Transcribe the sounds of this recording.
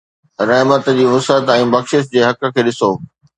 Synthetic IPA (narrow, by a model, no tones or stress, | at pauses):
ɾɐɦmət̪d͡ʑiːʋʊsət̪ɛ̃ːbɐxʃɪʃt̪d͡ʑeːɦɐkə̆kʰeːɗɪsoː